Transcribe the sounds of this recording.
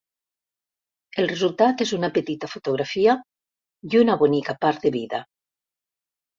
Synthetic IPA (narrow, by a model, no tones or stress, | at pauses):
elrezulˠt̪at̪ezunapet̪it̪afot̪oɣ̞ɾafia | junaβonikapaɾt̪̚d̪eβiða